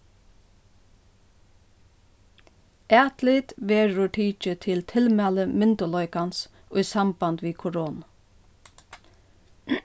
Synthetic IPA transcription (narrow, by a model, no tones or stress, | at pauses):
ʔæːt̪lɪt̪ʋeːɾːʊʈʰiːt͡ʃət̪ʰɪlt̪ʰɪlmæːləmɪnt̪ʊlɔʏkans | ʊjsambant̪ʋiːkʰʊɾoːna